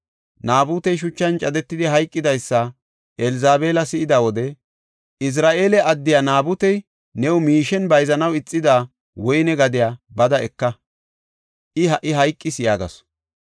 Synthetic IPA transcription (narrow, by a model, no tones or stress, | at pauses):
naːbʊt̪ɛjʃ̬ʊt͡ʃːɐnt͡ʃʼɐd̪ɛt̪ːɪd̪ɪɦɐjkʼːɪd̪ɐjsːɐ | ʔɛlzaːbeːlɐsɪʔɪd̪ɐwɔd̪ɛ | ɪs̬ɾaːʔe̞ːlɛɐd̪ːɪjaːnaːbʊt̪ɛj | nɛwʊmiːʃɛnbɐjzɐnɐwɪt͡sʼːɪd̪aː | wɔjnɛɡɐd̪ɪjaːbɐd̪ɐɛkːɐ | ʔɪɦɐʔɪɦɐjkʼːɪsjaːɡɐ̰s